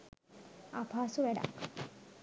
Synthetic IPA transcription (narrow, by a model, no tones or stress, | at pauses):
apʰaːsuʋæɖa̰k